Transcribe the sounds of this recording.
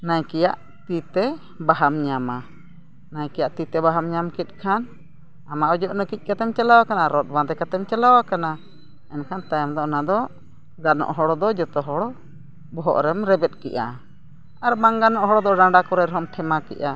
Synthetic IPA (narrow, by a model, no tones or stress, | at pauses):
najkɛjaʔ | t̪it̪ɛ | baɦamɲama | najkɛjaʔt̪it̪ɛbaɦamɲamkit̪̚ˀkʰan | amaʔɔd͡ʒɔʔnəkic̚ˀkat̪ɛmt͡ʃalawakanaɾɔt̪̚bãd̪ɛkat̪ɛmt͡ʃalawakana | ɛnkʰant̪ajmd̪ɔʔnad̪ɔ | ɡanɔ̰ʔɦɔɽɔd̪ɔd͡ʒɔt̪ɔɦɔɽɔ | bɔɦɔ̰ʔɾɛmɾɛbɛt̪̚kɛ̰ʔa̰ | aɾbaŋɡanɔʔɦɔɽɔd̪ɔɖãɖakɔɾajɾɦɔmʈʰɛmakɛ̰ʔa